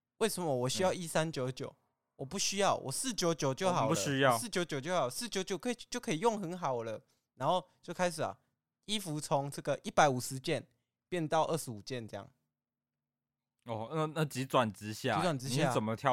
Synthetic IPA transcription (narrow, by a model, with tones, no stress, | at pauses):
we˥˩ɪsə˨˩˦mə˦wɔ˨˩ɕy˥jɑ˥˧ʊi˥˩sa˦nt͡ɕjo˨˧˦ʊt͡ɕjo˨˩˦ʊ | wɔ˨˩pu˥˩ɕy˦˥jɑ˥˩ʊwʔɔ̰˨˩sɹ̩˥˩t͡ɕjo˧˦˥ʊt͡ɕjo˨˩ʊt͡ɕjo˥˩ʊxɑ˨˩ʊu˥ɕy˦jɑ˥˨sɹ̩˥˩t͡ɕjo˧˥ʊt͡ɕjo˨ʊt͡ɕjo˥˩xɑ˨˩ə˨sɹ̩˥˩t͡ɕjo˧˥ʊt͡ɕjo˨˦ʊkʰɤ˥˨˩t͡ɕo˥˩ʊkʰɤ˦˥i˨˩˦jo˥˨ŋxə˨˦nxɑ˨˩ʊlə˦ | na˧˥nxo˥˧ʊt͡ɕjo˥˩ʊkʰa˥ɪʂ̬ɻ̩˨˩ɐ̰˩ | i˦fu˨˥t͡sʰo˧˦ŋʈ͡ʂɤ˥˩ɡə˨˩ʔi˥˩pa˧˦ɪu˨˩ʂɻ̩˨˦t͡ɕjɛ˥˨n | pjɛ˥˨nt̪ɑ˥˧ʊʔə˥˩ʂɻ̩˨˦u˨˩t͡ɕjɛ˥˨nʈ͡ʂɤ˥˧jɑ̰˥˩ŋ | ɔ˥˩na˥˧˨na˥˨t͡ɕi˨˥t͡swa˨˩nt͡sɻ̩˥˦ɕja̰˥˨˧t̪wa˨nt͡s̩˥iɕja˥˨t͡sə˨˩nmə˨t̪ʰjɑ˥˧˨